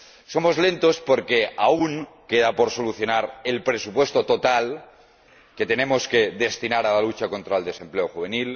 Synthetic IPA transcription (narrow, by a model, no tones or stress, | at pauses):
so̞mo̞zle̞nt̪ospo̞ɾkeauŋkeðapo̞ɾso̞luθjo̞naɾe̞lpɾe̞supwe̞st̪o̞t̪o̞t̪al | ke̞t̪e̞nẽ̞mo̞skeðe̞st̪inaɾalalut͡ʃako̞nt̪ɾaeld̪e̞se̞mple̞oxuβ̞e̞nil